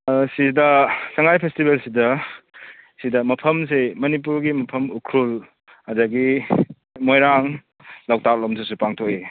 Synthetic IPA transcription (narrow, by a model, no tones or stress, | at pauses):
sidɐsɐŋajpʰestibelsidɐ | sidɐmɐpʰɐms̬emɐnip̬uɾɡimɐpʰɐmukʰɾul | hɐdɐɡi | mojɾaŋ | law̚tak̚loms̬ʰusupaŋtʰok̚e